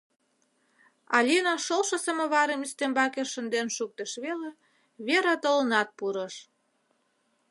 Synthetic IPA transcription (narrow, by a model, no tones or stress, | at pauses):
ɑlʲinɑʃolʃəsəmə̆βɑɾemist̪embɑkeʃə̆nd̪enʃuk̚t̪əʃβele | βeɾɑt̪ələnɑt̪̚puɾə̆ʃ